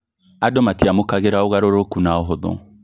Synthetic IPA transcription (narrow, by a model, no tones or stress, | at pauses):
adɔmatiamokaɣeɾaoɣaɾoɾokunaoɦoðʊ̰̃